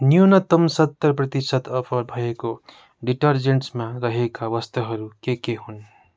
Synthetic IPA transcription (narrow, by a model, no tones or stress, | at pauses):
njunʌt̪ʌmsʌt̪ːʌrprʌt̪isʌt̪ʌpʰʌɾbʱʌjeko | ɖiʈʌrd͡zeɳʈsmaɾʌɦekaβʌst̪ʰʌɦʌɾukekeɦun